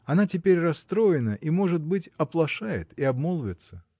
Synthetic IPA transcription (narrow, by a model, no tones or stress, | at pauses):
ɐnatʲɪpʲeɾʲrɐst̪ɾo̞jɪnəʔimo̞ʐɨt̪̚bɨtʲɐplˠɐʂajɪ̰t̪iɐbmolˠvʲɪt̪sə